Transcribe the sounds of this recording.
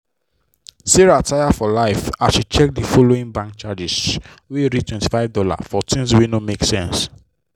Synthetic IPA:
siɹatʰajafɔlaɪfaʃit͡ʃɛk̚difɔloĩŋbãŋkt͡ʃad͡ʒis | weɾitwɛ̃nti̥faɪvdɔla̰fɔtʰĩns̬winomeksɛ̃ns

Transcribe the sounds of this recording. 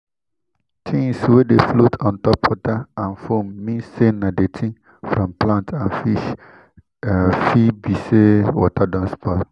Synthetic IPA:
t͡ʃʰĩnswedeflotʰɔ̃ntɔpwɔtaãnfomːĩsenadet͡ʃʰĩn | fɾɔ̃mplãntʰãnfi | fibisewɔtadɔ̃nspɔ

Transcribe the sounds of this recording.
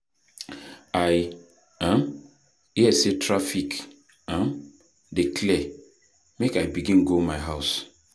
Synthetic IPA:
aj | ãm | iɛsetɾafik | ãm | deklɛ | mekajbiɡĩnɡomajɦaʊs

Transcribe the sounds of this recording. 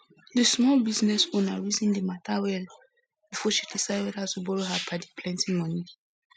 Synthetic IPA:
dəsmɔlbiznɛswɔnaɹizĩndəmatʰawɛl | b̥ifɔʃidisaɪdɛdatubɔɹoɦapʰadipʰlɛ̃ntĩmɔ̃ni

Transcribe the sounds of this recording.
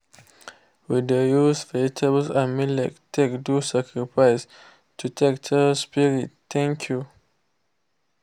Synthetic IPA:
widəjusfɛtʰəbsamĩlaktʰekdusakɹifaɪs | tʰutʰek̚tʰəspiɹit̚t̪ɛ̃ŋkʰju

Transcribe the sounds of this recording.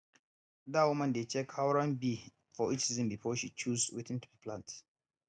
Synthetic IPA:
dawʊmɐ̃ndet͡ʃɛkʰhawɾanbi | fɔʔit͡ʃsizɪ̃mbifɔʃit͡ʃuzwɪ̰tɪ̃ntu̥biplãnt

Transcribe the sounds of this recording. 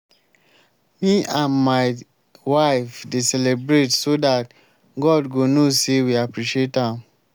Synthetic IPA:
miãnmaɪ | waɪfdesɛlebɹetsodat | ɡɔdɡonosewiapɹiʃietãm

